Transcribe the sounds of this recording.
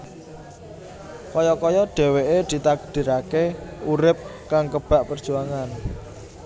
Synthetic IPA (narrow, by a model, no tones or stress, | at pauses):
kɔjɔkɔjɔɖ̥ɛ̤weʔed̪̥i̤t̪aɡ̚d̪̥i̤ɾakeuɾɪp̚kaŋkəb̥a̤ʔpərd̥ʒ̥ṳaŋan